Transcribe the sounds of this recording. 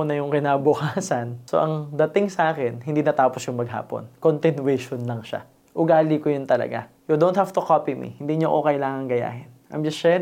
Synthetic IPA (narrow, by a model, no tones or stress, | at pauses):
onɐjʊŋkɪnabʊkaːsɐnso̰ʔɐŋd̪ɐt̪ɪŋsɐʔaːkɛnhɪnd̪iːnɐt̪aːposjʊŋmɐɡɦa̰ːpo̰nkont̪ɪnwɛʃonlɐŋʃa̰ | ʔʊɡaːlikojʊnt̪ɐlɐ̰ɡa̰ | jod̪ont̪haft̪ʊkopimḭhɪnd̪iːɲoʔokɐjlaːŋɐŋɡɐja̰ːhɪnʔɐ̰md͡ʒɐsʃɛ